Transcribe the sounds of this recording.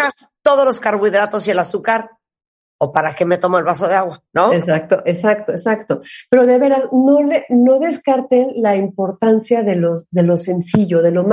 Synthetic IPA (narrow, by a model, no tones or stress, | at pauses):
ast̪o̞ð̞olo̞skaɾβwiðɾat̪o̞sielasukaɾ | opaɾakemet̪o̞moelβasoðeaɣwanoesak̚t̪oʔe̞sakt̪oesakt̪o̞pe̞ɾo̞ðeβeɾano̞leno̞ðeskaɾt̪enlaimpo̞ɾt̪ansjaðe̞lo̞ðe̞lo̞se̞nsiʝo̞ðe̞lo̞m